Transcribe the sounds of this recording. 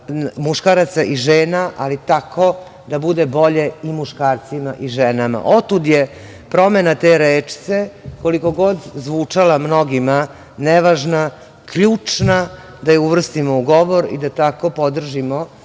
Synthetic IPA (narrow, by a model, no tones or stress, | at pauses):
muʃkaɾat̪saʔiʒeːnaʔalit̪akʰo̞ | d̪abud̪ebo̞ʎe̞imuʃkaːɾt̪simaʔiʒenama̰ʔo̞t̪ud̪je | pɾo̞menat̪eɾeːt͡ʃt̪se̞ko̞liko̞ɡo̞d̪zʋuːt͡ʂalamno̞ɡima | neʋaʒna | kʎuːt͡ʂna | d̪ajeuʋr̩st̪imouɡo̞ʋoɾḭd̪at̪ako̞po̞d̪r̩ʒimo